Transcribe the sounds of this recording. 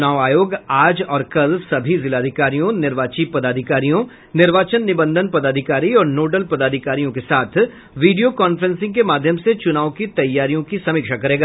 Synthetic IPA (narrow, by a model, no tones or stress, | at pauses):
t͡ʃʊnaːʋaːjoːɡaːd͡ʒɔːɾkɐlsɐbʱizɪlaːd̪ʱɪkaːɾijõnɪɾʋaːt͡ʃipɐd̪aːd̪ʱɪkaːɾijõ | nɪɾʋaːt͡ʃənːɪbə̃nd̪ʱənpɐd̪aːd̪ʱɪkaːɾiɔːɾnoːɖəlpɐd̪aːd̪ʱɪkaːɾijõkesaːt̪ʰ | ʋiːɖijokɔːnfəɾə̃nsɪ̃ŋɡkemaːd̪ʱjəmset͡ʃʊnaːʋokit̪ɐjːaːɾijõkisɐmɪkʃakɐɾeːɡaː